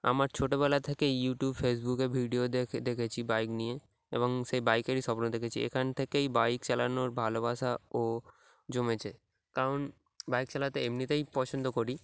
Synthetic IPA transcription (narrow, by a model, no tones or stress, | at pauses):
a̰maɾt͡ɕʰoʈobɛlat̪ʰekejuʈjubfes̬bukeɾbʱiɖiod̪ed̪ekʰet͡ɕʰibajknije | ḛboŋʃebajkeɾiʃɔbonod̪ekʰet͡ɕʰiḛkʰant̪ʰekejbajkt͡ɕalanoɾbʱalobaʃao | d͡ʑomet͡ɕʰe | kaɾon | bajk̚t͡ɕalat̪eemnit̪ajpɔt͡ɕʰond̪okoɾi